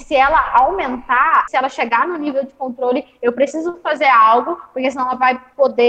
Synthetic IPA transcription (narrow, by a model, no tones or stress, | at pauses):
sɪɛlɐawmẽnt̪asɪɛlɐʃeɡanʊnivewd͡ʒɪkõnt̪ɾolɪ | ewpɾesizʊfazeɾawɡʊpoɾkesinɐ̃ɛlɐvajpod̪e